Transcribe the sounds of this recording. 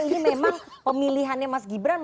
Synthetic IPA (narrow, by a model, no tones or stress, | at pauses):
inimemaŋ | pəmiliɦanɲamasɡibɾan